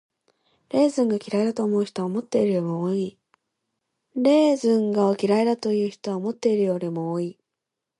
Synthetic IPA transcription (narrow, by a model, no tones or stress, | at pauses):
ɾe̞ːzɨ̃ŋɡakʲiɾaed̪at̪o̞ːmo̞ɯ̟çi̥t̪oaomo̞t̪ːe̞iɾɯ̟imooːi | ɾe̞ːzɨ̃ŋɡaokʲiɾaed̪at̪o̞jɯ̟ːçi̥t̪o̞βaomo̞t̪ːe̞iɾɯ̟jo̞ːɾʲimo̞oːi